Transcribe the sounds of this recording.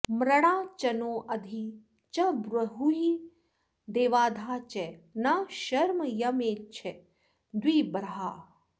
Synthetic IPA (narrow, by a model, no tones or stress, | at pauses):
mɾɐɽ̃aːt͡ʃɐnoːʔɐd̪ʱi | t͡ʃɐbɾɐɦuɦi | d̪eːʋaːd̪ʱaːt͡ʃɛnaʃɐɾmɐjɐmeːt͡ʃʰɛ | d̪wiːbɾɐɦaː